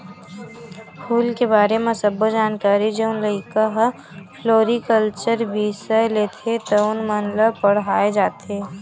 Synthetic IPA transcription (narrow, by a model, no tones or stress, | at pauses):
pʰuːlkebaːɾemẽsɐbod͡ʒaːnkaːɾid͡ʒeʊnləɪkaɦ | fʰloːɾikəlt͡ʃəɾbʱisəleːt̪ʰet̪ɐʊnmɐnləbpɐɽ̤aːed͡ʒaːt̪eː